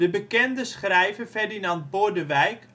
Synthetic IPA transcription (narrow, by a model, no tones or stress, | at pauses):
dəbəkɛndəsχrɛjvəfɛrdinɑnt̚bodəʋɛjk